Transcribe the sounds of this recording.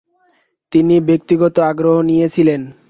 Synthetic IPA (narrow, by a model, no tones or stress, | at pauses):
t̪inibek̚t̪iɡɔt̪oaɡɾoɦonijet͡ɕʰilen